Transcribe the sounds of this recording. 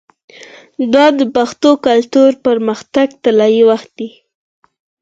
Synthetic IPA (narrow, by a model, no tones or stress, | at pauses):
d̪ɑd̪əpaxt̪okalt̪uɾpəɾməxt̪aɡt̪alɑjiwaxt̪̚d̪i